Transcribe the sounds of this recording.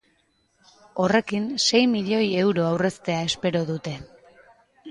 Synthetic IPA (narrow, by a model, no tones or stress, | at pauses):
o̞re̞kinse̞jmiʎo̞je̞wɾo̞awre̞st̪e̞ae̞spe̞ɾo̞ðut̪e̞